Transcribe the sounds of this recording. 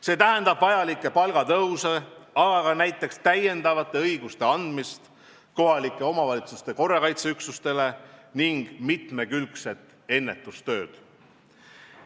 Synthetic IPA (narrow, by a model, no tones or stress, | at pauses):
se̞ːt̪æɦe̞nd̪̥ɑb̥vɑjɑlikːˑe̞pɑlɡ̥ɑt̪ɤwseɑɡ̥ɑkɑnæjt̪ːˑe̞kst̪æje̞nd̪ɑvɑt̪ːˑe̞ɤjɡ̥ust̪e̞ɑnd̪̥mist̪ | ko̞ɦɑlikːˑe̞o̞mɑvɑlʲit̪su̥st̪e̞ko̞rːɑkɑjt̪seyksust̪e̞le̞niŋɡ̥mit̪me̞kylkse̞t̪ːˑ | e̞nːe̞t̪ːˑust̪ø̞ːd̪̥